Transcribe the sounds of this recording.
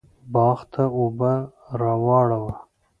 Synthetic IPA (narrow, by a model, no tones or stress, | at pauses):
bɑːxt̪ʰauba | ɾɑwɑːɽawa